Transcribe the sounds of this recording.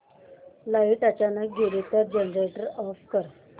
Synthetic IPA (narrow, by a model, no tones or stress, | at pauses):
laiʈat͡ɕanaɡʱelit̪əɾd͡ʑenɾeʈəɾɔfkəɾ